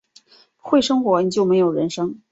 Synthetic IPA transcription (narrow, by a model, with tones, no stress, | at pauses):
xwe˥˩ɪʂɤ˥ŋxwɔ˧˥ni˨˩t͡ɕjo˥˩ʊme˧˥ɪjo˨˩ʊɻə˧˥nʂɤ˥ŋ